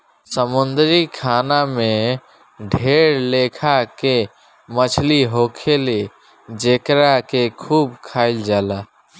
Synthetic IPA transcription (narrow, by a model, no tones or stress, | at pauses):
səmʊnd̪ɾikʰaːnamẽ | ɖʱeːɾleːkʰake | mət͡ʃʰliɦoːkʰele | d͡ʒeːkɾakekʰuːb̚kʰaːɪld͡ʒaːla